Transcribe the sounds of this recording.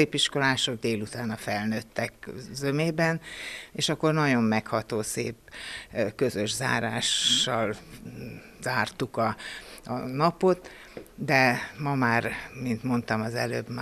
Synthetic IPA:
eːpiʃko̞laːʃo̞ɡ̚d̪eːlut̪aːnɒfɛlnøːt̪ːɛkzømeːbɛneːʃɒkːo̞rnɒɟo̞mːɛkhɒt̪oːsḛːp | kø̞zø̞ʒza̰ːɾa̰ːʃːɒl | z̥aːrt̪ukɒɒnɒpo̞t̪ | d̪ɛmɒmaːrmint̪mo̞nt̪ɒmɒzɛ̰lø̰ːbm

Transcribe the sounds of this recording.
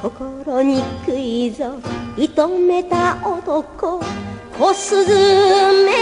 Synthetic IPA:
kʰokoɾoɲ̟ikɯizoit̪omet̪aot̪okokosɨzɨme

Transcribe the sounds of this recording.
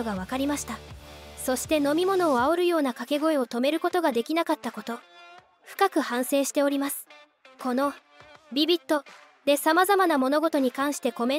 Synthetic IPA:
oɡaβ̞akaɾʲimaɕi̥t̪aso̞ɕi̥t̪e̞no̞mʲimo̞no̞ːaoɾɯ̟jo̞ːnakake̞ɡo̞e̞o̞t̪o̞me̞ɾɯ̟ko̞t̪o̞ɡad̪e̞kʲinakat̪ːako̞t̪o̞ | ɸɯ̟̥kakɯ̟hãɰ̃se̞ːɕi̥t̪e̞o̞ɾʲimasɨ̥ | ko̞no̞ | bʲibʲit̪ːo̞ | d̪̥e̞samazamanamo̞no̞ɡo̞t̪o̞ɲ̟ikãɰ̃ɕi̥t̪e̞ko̞mẽ̞

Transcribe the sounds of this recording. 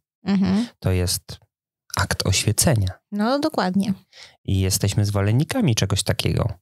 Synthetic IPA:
m̩ɦm̩t̪ɔjɛst̪ | akt̪ʰɔ̰ɕfʲjɛt̪sɛɲanɔd̪ɔkwad̪ɲɛʔijɛst̪ɛɕmɘzvɔlɛnʲːikamʲit͡ʂɛɡɔɕt̪akʲʰɛ̰ɡɔ̰

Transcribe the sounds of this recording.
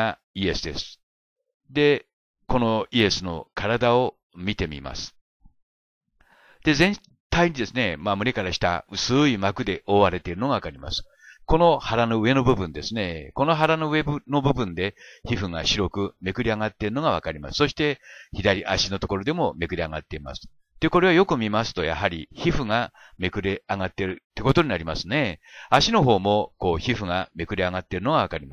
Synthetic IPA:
a | ie̞sɨd̪e̞̰sɨ̥ | d̪e̞ | ko̞no̞ie̞sɨno̞kaɾad̪ao̞ | mʲit̪e̞mʲḭma̰sɨ̥ | d̪̥e̞zẽ̞n | t̪aiɲ̟id̪e̞sɨne̞mamɯ̟ɾe̞kaɾaɕi̥t̪a̰ɯ̟sɨimakɯ̟d̪e̞ʔoːβaɾe̞t̪eɾɯ̟no̞ɡaβakaɾʲima̰sɨ̥ | ko̞no̞haɾano̞ɯe̞no̞bɯ̟bɯ̟̃nd̪e̞sɨne̞ko̞no̞ɦaɾano̞ɯe̞bno̞bɯ̟bɯ̟̃nd̪e̞çiɸɯ̟ŋaɕiɾo̞kɯ̟me̞kɯ̟ɾʲiaŋat̪ːe̞ɾɯ̟no̞ɡaβ̞a̰kaɾʲima̰sɨ̥so̞ɕi̥t̪e̞çid̪aɾʲiʔaɕino̞t̪o̞ko̞ɾo̞d̪e̞mo̞me̞kɯ̟ɾʲiaŋat̪ːe̞ima̰sɨ̥ | t̪ːe̞ko̞ɾe̞βajo̞kɯ̟mʲimasɨ̥t̪o̞ja̰ɦaɾʲiçiɸɯ̟ŋa | me̞kɯ̟ɾe̞aŋat̪ːe̞ɾɯ̟t̪ːeko̞t̪o̞ɲinaɾʲimasɨne̞aɕino̞ɦo̞ːmo̞ko̞ːçiɸɯ̟ŋame̞kɯ̟ɾeaŋat̪ːeɾɯ̟no̞ɡaβakaɾʲima

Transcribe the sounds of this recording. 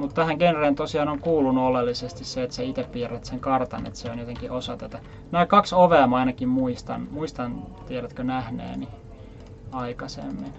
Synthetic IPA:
mut̪t̪æhæŋkenreːnt̪osiɑːnoŋkuːlːunːuolelːisest̪isseet̪seit̪eppiːræt̪seŋkɑrt̪ɑ̰nḛt̪seonjot̪eŋkiʔosɑt̪æt̪æ | næːkɑksoʋeɑmɑinɑkimmuist̪ɑ̰nmuist̪ɑnt̪ieɾæt̪kønæhnḛːni | ɑikɑsḛmːin

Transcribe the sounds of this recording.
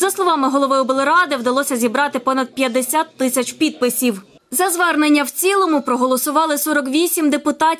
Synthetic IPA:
zɐslˠɔʋɑmɪɦɔlˠɔʋɪjʊbelˠeɾɑd̪ɪwd̪ɐlˠɔsʲɐzʲibɾɑt̪ɪpɔnɐd̪̚pʲjɐd̪ːesʲat̪ːɪsʲɐt͡ʃpʲid̪̚pɪsʲiw | zɐzʋɛrnenʲːɐwt͡sʲilˠɔmʊpɾɔɦɔlˠɔsʊʋɑlˠɪsɔɾɔkʋʲisʲimd̪epʊt̪ɑtʲ

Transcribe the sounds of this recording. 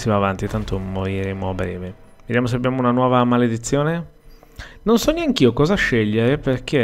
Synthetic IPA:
sivaːvant̪it̪ant̪omoɾiɾeːmoabɾɛːve | ved̪jamos̬eabːjaːmounanwɔːvamaled̪it̪sːjoːne | nonsɔnːeaŋk̟iːokɔːzaʃːeʎːeɾeperkʰe

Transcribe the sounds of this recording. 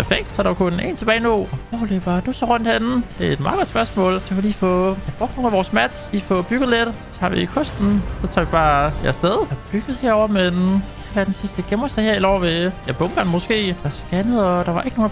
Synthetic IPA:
ppʰæɐfeɡ̥̚d̥sʰɑ̈ːɾɑkʰonḛːnt͡sʰe̝bɛːɪnoɒfɒːløb̥ɐd̥usɒʁɔ̽n̰d̥hen̩d̥e̝ed̥mɑ̈ːðˠɡ̥ɒ̽d̥sb̥ɶɐsmɔ̰̽ːld̥ɑʋeliːfɔjɑb̥ʁɔ̽ɡ̥d̥no̝ːlæʋɒːsmæd̥ifɔb̥yɡ̥ðˠled̥sɒ̥t͡sʰɑ̰ːʋḭikʰɔ̽sd̥n̩sɒt͡sʰɑ̈ːʋib̥ɑ̈ːjæɐsd̥eð̞ˠɒb̥yɡ̥ð̩ˠheɐ̰ɒʊ̰ɐmen | ʋæɐd̥ensisd̥əɡ̥emɐseheɐil̥ɒʊɐʋe̝jɑb̥ɔ̽mb̥nmɔ̽sɡ̥e̝̰ːɑsɡ̥ænəð̩ˠɒd̥ɑ̈ʋɑ̈ʔe̝ɡ̥əno̝ː

